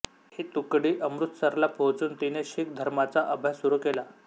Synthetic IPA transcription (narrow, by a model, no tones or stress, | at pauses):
hit̪ukɽiːʔəmɾut̪səɾlapʰot͡suːnt̪ineɕik̚d̪ʱəɾmat͡saʔəbʱajsuɾukela